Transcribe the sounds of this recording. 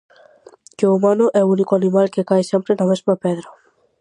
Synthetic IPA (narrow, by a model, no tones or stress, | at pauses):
keumanʊʔɛunikʊanĩmalkekajsẽmpɾenamezmapɛðɾa